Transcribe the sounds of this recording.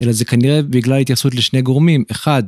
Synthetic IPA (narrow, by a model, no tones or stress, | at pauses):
ʔe̞laze̞kaniʁebiɡlalhit̪jasut̪leʃne̞ɡoʁmimeχad